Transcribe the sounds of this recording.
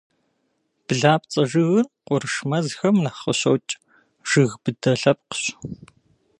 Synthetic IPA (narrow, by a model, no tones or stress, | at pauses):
b̥ɨɮaːpt͡sʼɐʒɨɣɨnqʷɔrɨʃmɐzxɐmnɐχə̰ɕɐ̰wt͡ʃʼ | ʒ̥ɨɣb̥ɨdɐɬɐp̚qə̥ɕ